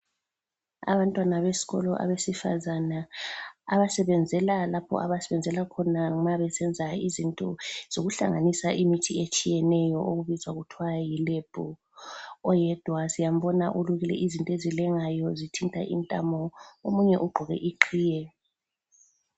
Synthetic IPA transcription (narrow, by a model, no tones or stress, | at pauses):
a̰βantʼwanaβesi̥ɣɔ̰lɔ̰ʔa̰βesifa̰zana | aβasɛβɛnd͡zʱɛlalapʰɔ̰ʔaβasɛβɛnd͡zʱɛlakʰɔnamaβɛsɛnd͡zʱaizintʼɔ̰z̥oɣuɬa̰ŋanisaʔimitʰiet͡ʃʼijɛnɛjɔʔoɣuβizaɣutʰwajileb̥ʱu | ɔjɛd̥ʱwasijam̩bɔna̰ʔuluɣilɛ̰ʔizintʼɔezilɛŋajɔzitʰintʼa̰ʔḭntʼa̰mɔomuɲɛʔuɡ͡ǃʱɔɣɛ̰ʔiǃʰiːjɛ